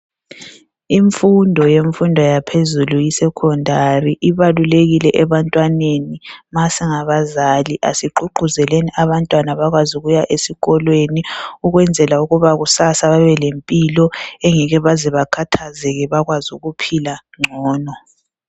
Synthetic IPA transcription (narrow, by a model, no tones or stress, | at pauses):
iɱfundʱɔjeɱfundʱɔjapʰezulujisɛkʰɔndʱariʔiβaluleɣilɛʔɛβantʼwanenimasɛŋaβazaliʔasiǃuǃuzɛleniʔaβantʼwanaβaɣwazuɣujaʔesiɣɔlweniuɣwɛnd͡zʱɛlauɣuβaɣusasaβaβɛlempʼilɔeŋiɣɛβazɛβakʰatʰazɛɣɛβaɣwazuɣupʰilaŋ͡ǀʱɔːnɔ